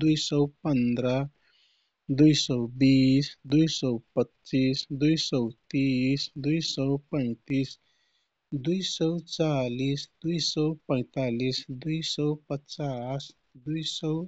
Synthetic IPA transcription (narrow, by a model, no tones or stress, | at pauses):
d̪ujsəwpənd̪ɾə | d̪ujsɔwbisd̪ujsɔwpətːt͡sisd̪ujsɔwt̪isd̪ujsɔwpə̃j̃t̪is | d̪ujsəwt͡salisd̪ujsɔwpə̃jt̪alisd̪ujsəwpətːt͡sas | d̪ujsɔw